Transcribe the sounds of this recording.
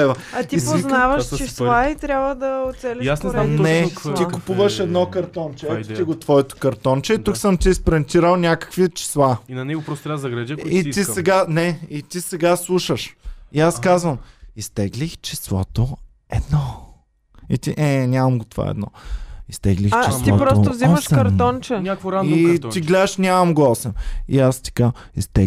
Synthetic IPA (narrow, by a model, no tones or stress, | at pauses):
ɛvɐɐt̪ipoiznavəʃt͡ʃisait̪ɾʲjabvəd̪ɐʊt̪sɛlʲiasnɛanɛt̪ikʊpuvəʃɛd̪nɔkɐɾt̪ɔnt͡ʃɛɛt̪iɡot̪vɔɛt̪o̥kɐɾt̪ɔnt͡ʃɛit̪uksəmt̪iːspɾɛnt̪iɾəlˠnʲakə̥kvit͡ʃi̥slˠainɐnɛɡopɾɔst̪t̪ɾavzɐɡɾɛʒɐkit̪isɛɡanɛit̪isɛɡaslˠuʃəʃiaskazvɐmist̪ɛɡlixt͡ʃislˠɔ̰t̪o | ɛd̪nɔ | it̪iʔɛnʲamɐmɡot̪ova̰ɛ̰d̪nɔ̰ist̪ɛɡlixt͡ʃit̪ipɾɔstt̪ozmməʃkɐɾt̪ɔnt͡ʃɛnʲakvoɾait̪iɡlɛd̪əʃnʲamɐmɡoɔsɛmḭast̪i̥ka | ist̪ɛ